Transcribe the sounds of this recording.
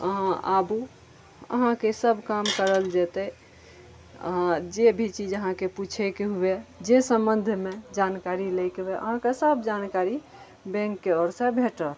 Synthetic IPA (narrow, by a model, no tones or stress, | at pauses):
əɦãa̰bu | ə̰ɦãkesəbʱkamkəɾəld͡ʒet̪ɛ | ə̰ɦãd͡ʒebʱit͡ʃid͡ʒəɦãkeput͡ʃʰɛkeɦued͡ʒesə̃mbənd̪ʱmed͡ʒankaɾilejkebeʔə̰ɦãkesəbʱd͡ʒankaɾi | bɛ̃ŋkːeɔɾsẽbʱeʈəl